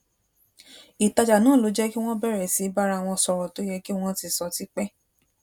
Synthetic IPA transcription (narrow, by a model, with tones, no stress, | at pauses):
i˨ta˧d͡ʒa˨nãː˨˦˨lo˨˧˦d͡ʒɛ˦ki˦w̃ɔ̃˦bɛ˦˨ɾɛ˨si˨˦ba˦ɾa˦˧˨w̃ɔ̃˧sɔ˧ɾɔ˨to˨˦jɛ˧ki˦w̃ɔ̃˦ti˧˨sɔ˧ti˨˦k͡pɛ˦